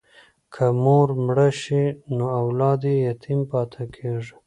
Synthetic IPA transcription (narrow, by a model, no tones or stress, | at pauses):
kʰəmoɾmɽəʃinoawlɑd̪ejat̪ʰimpɑt̪ʰakʰeʐi